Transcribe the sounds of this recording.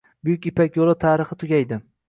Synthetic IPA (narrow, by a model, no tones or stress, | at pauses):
bʊjʊkʲipakʲjolˠɪt̪ʰaːɾɨχɨt̪ʰʊɡʲajd̪ɪ